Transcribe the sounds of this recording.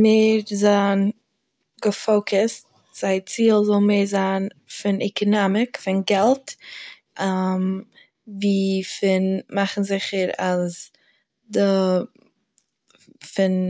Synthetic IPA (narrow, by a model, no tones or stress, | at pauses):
meːɾzaːn | ɡəfoʊkʊst̚ | z̥aɪt͡siːlˠzɔlˠmeːɾzaːn | fɪnɛkənamɪkfɪnɡɛlˠt | am | viːfɪnmaχn̩zɪχəɾaz | də | fɪn